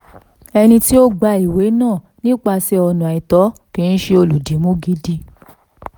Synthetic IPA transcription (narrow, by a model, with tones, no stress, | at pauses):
ɛ˧nĩ˧ti˦o˦ɡ͡ba˧i˨we˨˦nãː˦˨ | nĩ˦k͡pa˧sɛ˧˦ɔ˧nũ˨i˨tɔ˨˦kĩ˨˦n̩˦ʃe˧o˧lu˨di˨˦mũ˦ɡi˦di˧